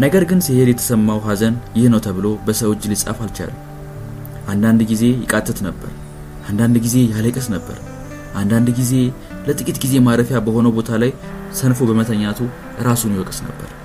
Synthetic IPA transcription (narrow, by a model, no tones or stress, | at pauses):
nəɡəɾɡɨnsihed̪jɛt̪ʰə̥səmːawɦazənjɪhnəwt̪ʰəβɨlo̞bəsəwot͡ʃːlɨsʼa̰falt͡ʃa̰l | ʔand̪and̪ɡize̞jɪkʼat̪ʼːɨt̪nəbːə̰ɾ | ʔand̪and̪ɡize̞jaləkʼɨsnəbːə̰ɾ | ʔand̪and̪ɡize̞ | lət̪ʼɨkʼit̪ɡize̞maɾəfjabəho̞nəwbo̞t̪ʰalaj | sənfobəmət̪ʰəɲːat̪ʰu | ɨɾasunjiwɔkʼɨsnə̰bːə̰ɾ